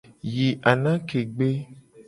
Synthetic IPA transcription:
ji˨ʔa˨nã˦ke˨ɡ͡be˦

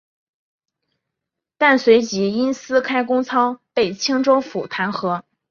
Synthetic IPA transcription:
t̪a˥˩nswe˧˥ɪt͡ɕi˧˥i˥nsɹ̩˥kʰa˥ɪkʊ˥ŋt͡sʰɑ˥ʊpe˥˩ɪt͡ɕʰi˥ŋʈ͡ʂo˥ʊfu˨˩t̪ʰa˧˥nxɤ˧˥

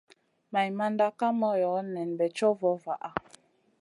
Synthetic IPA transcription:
ma˨jma˦nda˦ka˦mɔ˦jɔ˨˦nɛ˨nbɛ˨t͡ʃɔ˦vɔ˨˦va˨ʔa˨

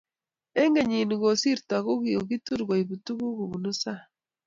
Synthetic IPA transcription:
e˦ŋɡe˦ɲi˨nu˨ɡo˨si˦ɾtwa˨ɣu˦ɣio˨ɣi˦tu˦ɾɡwa˨i˨βu˨tu˦ɣu˦ɣu˨βu˨nu˦sa˦

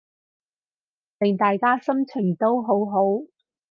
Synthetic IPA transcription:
t̪ɪ˨ŋt̪aː˨jkaː˥sɐ˥mt͡sʰɪ˨˩ŋt̪o˥wɦo˨˥wɦo˨˥w

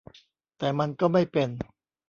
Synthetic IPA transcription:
t̪ɛː˨˩ma˧nkɔː˥˩ma˥˩jpe˧n

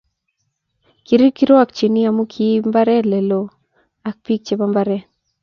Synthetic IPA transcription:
ki˨ɾi˦ki˦ɾo˦a˨k̚t͡ʃe˨ni˦a˨mu˦kʰi˦mba˦ɾɛ˦lɛ˨lo˨ | a˨k̚pi˦k̚t͡ʃe˨ba˦mba˦ɾɛ˦

